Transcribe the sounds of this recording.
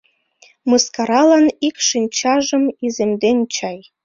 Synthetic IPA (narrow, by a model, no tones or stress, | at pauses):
mɯskɑɾɑlɑnikʃinʲt͡ɕɑʒɤ̆mizemd̪enʲt͡ɕɑj